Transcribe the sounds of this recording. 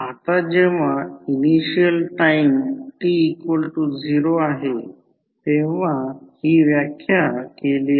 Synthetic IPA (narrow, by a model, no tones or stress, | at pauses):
at̪ad͡ʑeʋainiɕijəlʈaimʈiːkolʈud͡zʱiɾoaɦe | t̪eʋ̤ahiʋjakʰjakeli